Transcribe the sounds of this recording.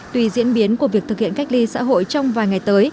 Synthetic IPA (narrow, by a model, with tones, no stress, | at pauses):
t̪wi˨˧˩zḭ˧˥ənɓi˨˦ənku˧˩əvi˨˩ək̚t̪ɨ˨˩k̚hḭ˧˨ənka˦˥j̚li˧sa̰ː˧˥ɦo̰˧˨jt͡ɕɔ˧wŋ͡mvaː˨˩jŋa˨˩jt̪əː˨˦j